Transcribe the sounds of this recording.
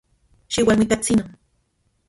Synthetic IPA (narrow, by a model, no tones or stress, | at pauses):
ʃiwalmit̪at͡sinon